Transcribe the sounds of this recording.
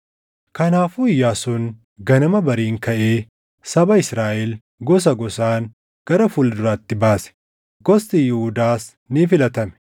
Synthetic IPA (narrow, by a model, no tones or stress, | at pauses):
kɐnaːfuɪjːaːsʊn | ɡɐnɐmɐbɐɾiːŋkɐʔeː | sɐbɐɪsɾaːʔɛl | ɡɔs̬ɐɡɔsaːŋ | ɡ̥ɐɾɐfuld̪ʊɾaːt̪ːɪbaːsɛ̥ | ɡɔst̪ijɪhʊd̪aːs | nɪfɪlɐt̪ɐmɛ̥